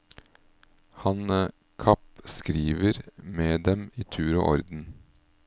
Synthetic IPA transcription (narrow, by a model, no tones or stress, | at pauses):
hɑnə | kʰɑpskɾiːʋəɾmeːd̪ɛmiːt̪ʰʉːɾo̰ːʔɔɾd̪n̩